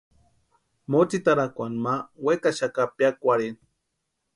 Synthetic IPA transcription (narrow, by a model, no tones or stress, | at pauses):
mot͡sit̪aɾakʷanmawekaʃakapjakʷaɾen